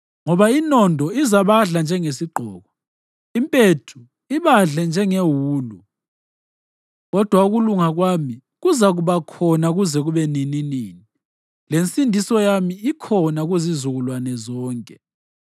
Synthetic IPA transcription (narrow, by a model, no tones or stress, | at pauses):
ŋɔβainɔndʱɔizaβaɮand͡ʒʱɛŋesiɡ͡ǃʱɔ̰ːɣɔ | impʼetʰu | iβaɮɛnd͡ʒʱɛŋewuːlṵ | ɣɔd̥ʱwauɣuluŋaɣwaːmi | ɣuzaɣuβakʰɔnaɣuzɛɣuβɛnininiːni | lensʼindʱisɔjamiːkʰɔnaɣuzizuɣulwanɛzɔːŋkʼɛ